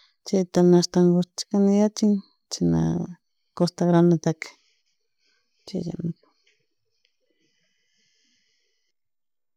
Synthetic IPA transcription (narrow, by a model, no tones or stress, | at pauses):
t͡ʃet̪anast̪aŋɡot͡ʃkanɪjat͡ʃɪŋ | t͡ʃina̰ | kost̪aɣɾanat̪ak | t͡ʃḛja̰mɪk